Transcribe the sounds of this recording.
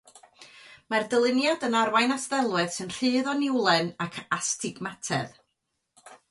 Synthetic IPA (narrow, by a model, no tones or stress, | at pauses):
mardəlˠɪnjɔdənarwajnasðɛlˠwɨð̥sɨnr̥ɨːðɔnɪwlˠɛnakʰastʰɪɡmatʰɛ̰ð